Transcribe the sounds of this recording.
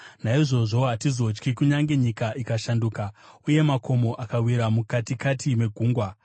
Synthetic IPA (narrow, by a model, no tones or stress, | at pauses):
naiʐo̞ʐo̞ɦatizo̞t͡ʃkikuɲaŋɡe̞ɲikaʔikaʃanduːkauje̞makʰo̞mo̞ʔakawiɾamukatikatime̞ɡʱuːŋɡwa